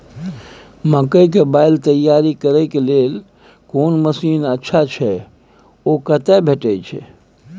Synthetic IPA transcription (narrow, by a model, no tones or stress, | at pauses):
məkəjk̬ebajlt̪əjaɾikəɾɛkelel | konməsinətːʃʰat͡ʃʰɛ | okət̪ɛbʱeʈət͡ʃʰɛ̰